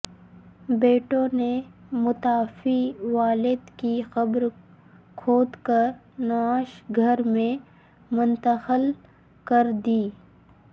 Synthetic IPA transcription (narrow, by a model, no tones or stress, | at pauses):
beːʈõnemʊt̪aːfiʋaːlɪd̪kixɐbɾ | kʰoːd̪kəɾ | naːʃɡʱɐɾmẽ | mʊnt̪əxəl | kɐɾd̪iː